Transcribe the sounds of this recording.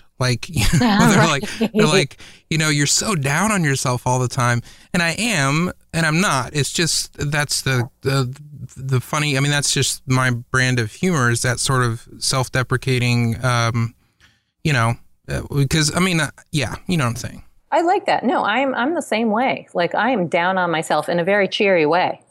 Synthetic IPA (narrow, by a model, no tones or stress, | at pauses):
laɪkʰjðə˞laɪə˞laɪkjɨñoʊjə˞soʊdãʊ̃ñɨ̃n̩jə˞sɛlˠfɔlˠðətʰãɪ̃mɨ̃ɾ̃aɪʔɨ̃m | ɨ̃ɾ̃ãɪ̃mnətɪtsd̥ʒ̥ʌstðætsðɨʌðɨfʌɾ̃iaɪmĩnðætsd̥ʒ̥ʌstmaɪb̥ɹæ̃ndʌv̥hjʉmə˞ɨzðɨtsɔɹɾʌv̥sɛlˠfd̥ɛpɹɨkʰeɪɾɪ̃ŋʌ̃m | jɨɾ̃oʊ | ʌ̰ɨkʰʌza̰ɪmĩnjæ̰jɨnoʊãɪ̃mseɪɪ̃ŋ | ʔaɪlaɪk̚ðæ̰tⁿnoʊʔãɪɨ̃mʔã̰ɪ̃mðəsẽɪ̃mweɪlaɪkaɪɨ̃mdãʊ̃nə̃nmaɪsɛlˠfɨ̃nɨvɛɹit͡ʃʰɪɹiweɪ